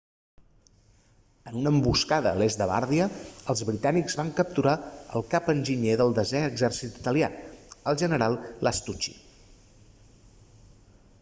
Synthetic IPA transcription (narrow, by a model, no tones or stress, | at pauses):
ənunəmbuskaðə̰lezd̪əβa̰ɾðiəːlˠzβɾit̪anikzβaŋkəp̚t̪uɾaə̰lˠkapənʲʒiɲeðəlˠd̪əzɛəɡzɛrsit̪i̥t̪əlia̰əlˠʒənəɾalˠlʔəst̪ut͡ʃḭ